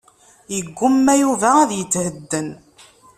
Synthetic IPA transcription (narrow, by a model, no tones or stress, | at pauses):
jəɡʷːʊmːæjuvææðjət͡s̪ːhəd̪ːən